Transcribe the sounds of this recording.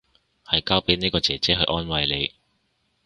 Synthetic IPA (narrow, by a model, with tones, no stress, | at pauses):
hɐ˨jkaː˥wpeː˥ni˥kɔː˧t͡sɛː˨t͡sɛː˥hɵ˧ɥʔɔː˥nwɐ˧jle˨˧j